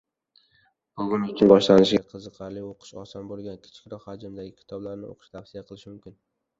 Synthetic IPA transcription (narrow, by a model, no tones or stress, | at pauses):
bʊɡʲʊnʊt͡ʃʰʲɪnbɒʃlanɪʃɡʲaqʰɨzɨqʰɑɾlɪoqʰɨ̥ʃɒ̰sɒnbolˠɡʲankʲʰɪ̥t͡ʃʰkʲɾɒqhad͡ʒɪmd̪aɡʲɪkʲʰɪ̥t̪ʰɒblaɾnɪʔo̰qʰɨ̥ʃt̪ʰafsɪjaqʰɨlˠɪʃmʊmkʲɪn